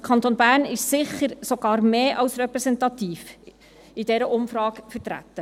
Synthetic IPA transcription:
kʰɑntonbæːɾnɪʃsɪχəɾsoɡ̥ɑːɾmeːʔɑwsɾɛpɾɛsɛntɑt̪iːf | ɪd̥ɛɾəʔʊmfɾɑːkfəɾtɾæ̰t̪ːə

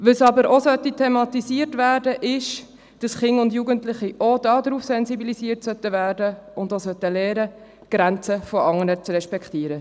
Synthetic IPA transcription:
ʋəlsɑbəɾʔosœtitʰɛmɑt̪isiːəɾtvæːɾdəʔɪʃ | d̥ɑsχɪŋʊndjuːɡəntlɪχiodɑːdɾuːfsɛnzibilisiːərtsœtːəvæːɾdəʊndosœtəlɛːɾə | ɡ̥ɾænt͡səfɔɑŋːənət͡srɛʃpɛkχtiːəɾə

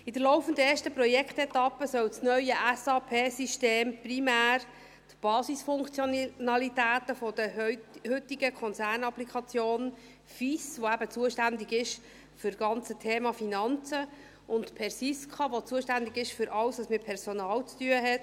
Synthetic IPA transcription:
ɪd̪əlɔwfən̩d̪əeːrʃtəprɔjɛkχt̪ɛt̪ɑpːəsœwt͡snœʏəʔæsɑpʰeːsiʃteːmprimæːr | t̪b̥ɑːsisfʊŋkt͡sjonɑlit̪æːt̪əfɔd̥̪əhʏtiɡəkʰɔnt͡sæːrnɑplikʰɑt͡sjoːn | fisʋoæbət͡suəʃtænd̪iɡɪʃ | fʏɾɡ̥ɑnt͡sət̪ʰeːmɑfinɑnt͡sə | ʊnt̪pʰɛɾsiskʰɑʋot͡suəʃtænd̪iɡɪʃfʏɾʔɑwsɑsmɪpʰɛɾsonɑːlt͡styəɦɛt

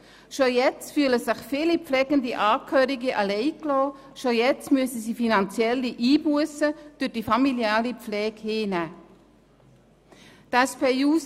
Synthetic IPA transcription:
ʃojɛt͡stfyələsɪχfiːlipflɛːɡəndiʔaːkʰøːɾiɡəʔɑleɪklɔː | ʃojɛt͡stmyəsəsiːfinɑnt͡sjɛlːiʔiːb̥uəsəd̥yd̥ifamiljɛːɾip͡flɛːkheːnæː | tɛspʰeuː

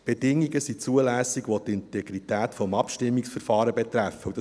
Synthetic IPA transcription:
b̥ed̥ɪŋːiɡəsit͡suəlæːsiɡʋot̪ɪntɛɡɾitæːtfɔmɑpʃtɪmːiksfəɾfɑːɾəbɛt̪ɾæfəud̥ɑ

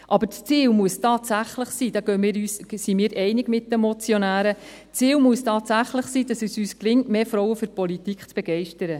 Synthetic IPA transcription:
ʔɑbəɾt͡st͡siːlmuəstɑːt̪sæχləχsiːdɑːɡ̥œmɪːɾyːssimiːɾɛɪnɪɡmɪtdəmɔt͡sjonæːɾə | t͡siːlmuəstɑːtsæχləχsiːd̥ɑsɛsyːsklɪŋtmeːfɾɔwəfʏɾ̚pɔlitikχt͡sb̥ɛɡɛɪʃtəɾə

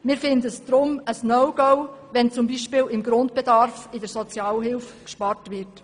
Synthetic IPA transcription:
mɪːɾfɪndəsd̥ɾʊməsnowɡ̥ɔwʋɛnt͡sʊmbiʃpɪːlɪmɡɾʊntb̥ɛdɑɾfɪdəɾsɔt͡sjɑːlɦɪlfkʃpɑrtʋɪɾt

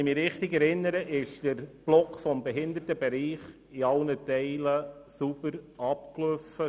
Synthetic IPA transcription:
ɪmɪɾɪχtɪɡɛɾɪnːəɾəʔɪʃd̥əɾb̥lɔkfɔmbɛɦɪnd̪əɾtəbɛɾiːχ | iɑlnətɛɪləsub̥əɾʔɑpkløfə

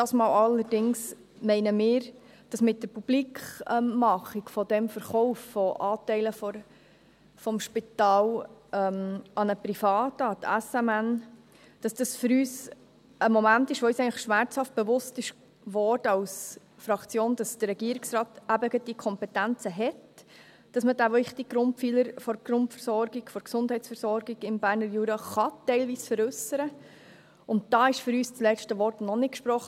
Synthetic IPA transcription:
d̥ɑsmɑːlɑlːəɾd̥ɪŋs | mɛɪnəmɪːɾ | d̥ɑsmɪt̚dəɾpub̥likχmːɑχikfɔdɛmfəɾχɔʊfːɔʔɑːtɛɪləfɔ | fɔmʃpitɑːlɛmɑnəpɾifɑːtəɑt̪æsæmæn | d̥ɑsd̥ɑsfʏɾyːs | əmɔmæntɪʃʋɔyːsɛɪŋləχʃmæɾt͡shɑft̚b̥eʋʊstɪʃ | ʋɔɾd̥əɑws | fɾɑkt͡sjoːnd̥ɑsd̥ərːɛɡ̥iəɾɪksɾɑːtæbəɡəd̥ikʰɔmpɛtænt͡səɦɛt | d̥ɑsmədævɔɪχd̥iɡɾʊntfiləɾfɔɾɡrʊntfəɾsɔɾɡɪɡ̥fɔɾksʊndhɛɪt͡sfəɾsɔɾɡɪɡɪmbæːɾnəɾjuːɾɑχɑtɛɪlʋiːsfəɾʏsəɾə | ʊnt̚d̥ɑːɪʃfʏɾyːst͡slɛt͡ʃtəʋɔrtnɔnɪt̚kʃpɾɔχ

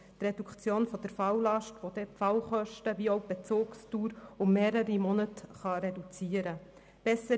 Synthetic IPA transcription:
t̪rɛd̥ukt͡sjoːnfɔd̥əɾfɑwlɑʃtʋod̥̪ɛpfɑwχœʃtəviɔʊb̥et͡soːkstuːɾʊmːeːɾəɾimɔnətχɑɾɛdut͡siːəɾə | b̥ɛsə

